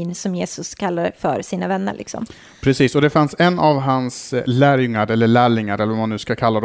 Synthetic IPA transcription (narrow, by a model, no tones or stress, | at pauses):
nsɔmjeːsɵskʰalːad̪ə̰fœɾsiːnavɛnːə̰ɾɭʔɪ̰ksɔ̰m | pʰɾɛsiːsɔd̪ɛfansɛnːavɦanslæːɾjɵŋːaɾɛlːəɭæːɭɪŋːaɾɛlːəvɔmanʉ̟ːskakʰalːad̪